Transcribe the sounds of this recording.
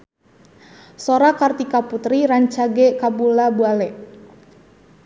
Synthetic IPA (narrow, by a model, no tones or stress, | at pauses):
soɾakart̪ikaput̪ɾiɾaɲt͡ʃaɡɛkabulabualɛ